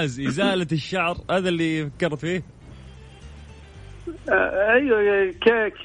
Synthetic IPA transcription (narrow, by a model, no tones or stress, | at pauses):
zʔɪzaːlat̪ɪʃːaʕɾhaːðalːifakːɑɾˤt̪fiːh | ʔajwakak